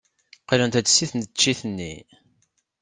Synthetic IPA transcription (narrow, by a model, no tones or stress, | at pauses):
qələnt̪æt͡sːsːiθənt̪t͡ʃːiθənːi